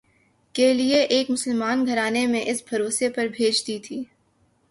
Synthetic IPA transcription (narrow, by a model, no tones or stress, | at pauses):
kelieʔeːkmʊsəlmaːnɡʱɐɾaːnemẽʔɪsbʱɐɾoːsepɐɾbʱeːd͡ʒt̪it̪ʰiː